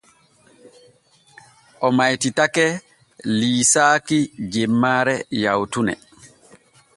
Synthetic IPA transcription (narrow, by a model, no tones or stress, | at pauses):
ʔɔmajtitakɛ | liːsaːkid͡ʒemːaːɾɛjawtunɛ̰